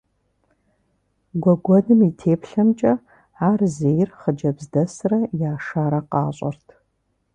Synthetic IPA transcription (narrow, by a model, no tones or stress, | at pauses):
ɡʷɔɡʷɔdɨmitʰeːpʰɬɐmt͡ʃʼɐ | ʕaːrzejɪrχəd͡ʒɐbzdɐsɨrɐjaːʂaːɾɐqɑ̰ːɕʼɐ̰rtʰ